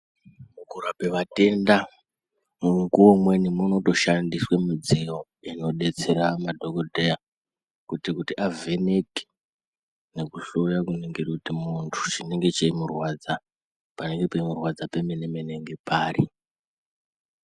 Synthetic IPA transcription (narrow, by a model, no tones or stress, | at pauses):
mukuɾape̞ʋate̞nda | muŋkuwomwe̞nimuno̞to̞ʃandiswemid͡zijo̞ | ino̞ɗe̞t͡se̞ɾamadʱokodʱeja | kutikutiʔave̞ne̞ke̥ | ne̞kuɬojakuneŋɡerkutimuntʰu̥t͡ʃine̞ŋɡe̞t͡ʃeimurwad͡za | pane̞ŋɡe̞peimurwad͡zapemenemene̞ŋɡe̞paːri